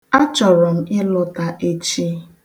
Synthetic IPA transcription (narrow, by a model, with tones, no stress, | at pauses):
a˦t͡ʃɔ˨ɾɔ˨m̩˦ɪ˦lʊ˦ta˨ʔe˦t͡ʃi˦